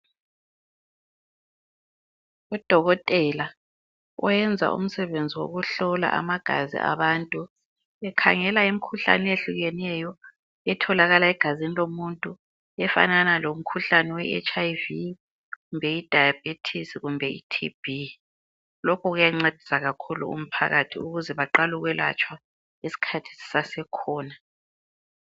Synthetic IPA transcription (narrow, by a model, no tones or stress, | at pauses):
ud̥ʱɔɣɔtʼɛla | ɔ̰jɛnd͡zʱa̰ʔṵm̩sɛβend͡zʱiwo̰ɣuɬɔla̰ʔa̰maɡ̥ʱa̰zḭʔa̰βantʼu | ɛkʰaŋɛlaim̩kʰuɬa̰nɛeɬuɣɛnɛjɔ | ɛtʰɔlaɣalaɛɡ̥ʱazinilomuntʼu | ɛfa̰nanalom̩kʰuɬanɛwɛɛ̰t͡ʃʰʼajvi | ɣumbʱɛid̥ʱajab̥̚ʱitʰisiɣumbʱɛḭtʰḭb̥ʱi | lɔkʰɔɣujaŋ͡ǀed̥ʱisaɣakʰulṵṵm̩pʰa̰ɣatʰiuɣuzɛβaǃaluɣwɛla̰t͡ʃʼwa | esi̥kʰatʰi̥si̥sasɛkʰɔːna